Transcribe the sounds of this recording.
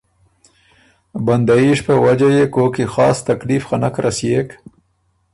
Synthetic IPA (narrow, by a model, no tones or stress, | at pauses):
band̪aiʃpəwad͡ʒajekokixɑ̰ːst̪aklifxanakɾasjek